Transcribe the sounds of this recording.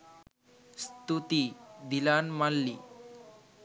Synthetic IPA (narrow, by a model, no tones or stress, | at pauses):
st̪ut̪id̪ilanmalːi